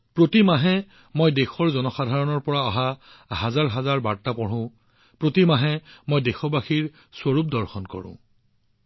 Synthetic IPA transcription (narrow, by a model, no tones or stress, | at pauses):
pɹotimaɦɛ | mojdexɔɹzɔnɔxadʱaɹɔnɔɹpɔɹaɔɦa | ɦazaɹɦazaɹbaɹtːapɔɹʊ̃ | pɹotimaɦɛmojdexɔbaxiɹ | swoɹup̚dɔɹxɔnkɔ̰ɹʊ̰̃